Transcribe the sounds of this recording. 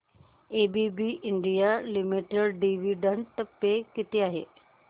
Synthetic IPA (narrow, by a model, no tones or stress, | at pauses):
ebibiʔɪɳɖijalimiʈeɽɖiʋiɖəɳɖt̪əpːekɪt̪eaːɦḛː